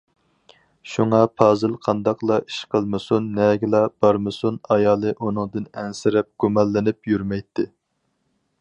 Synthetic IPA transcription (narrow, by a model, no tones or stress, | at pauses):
ʃuŋɑpʰɑːzɨlˠqʰɑnd̪ɑqlˠɑi̥ʃqʰəlˠmɨsunːɛɡʲɪlˠɑb̥ɑɾmɨsunɑjɑːlˠɨʔunɨŋd̪ɨnɛnsɪɾɛp̚ɡ̥umɑlˠːɪnɪpjyɾmɛjt̪ʰːɪ